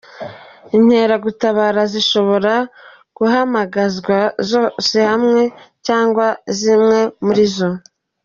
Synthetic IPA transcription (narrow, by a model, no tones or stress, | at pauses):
in̥he̞ːɾaɡutaβaːɾaziʃo̞βo̞ɾa | ɡ̥uɦamaɡazɡwazose̞hamŋe̞caːŋɡwazimŋe̞muɾizo